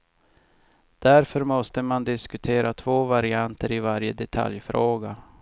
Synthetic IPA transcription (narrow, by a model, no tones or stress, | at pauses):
d̪̥æɾfœɾmɔst̪əmand̪ɪskɵt̪ʰeːɾat̪ʰvoːvaɾɪant̪ʰəɾɪvaɾjəd̪ɛt̪ʰa̰ljfɾoːɡa